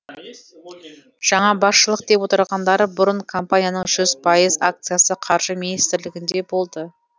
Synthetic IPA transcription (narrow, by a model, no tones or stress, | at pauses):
ʒ̥ɑɴɑbɑsʃəlˠəq̚d̪e̞pwo̞t̪əɾʁɑnd̪ɑɾəbʊɾəɴkʰo̞mpanʲijanəɴʒ̥ʏzpʰɑjəzak̚t̪sɨjasəqʰɑɾʒəminist̪ɪɾlɪɡʲɪnd̪e̞bo̞lˠd̪ə